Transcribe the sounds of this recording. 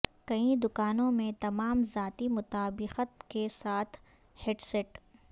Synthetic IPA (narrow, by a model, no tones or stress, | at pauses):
kɐĩd̪ʊkaːnõmẽt̪ɐmaːmzaːt̪imʊt̪aːbɪqət̪kesaːt̪ʰ | heːɖseʈ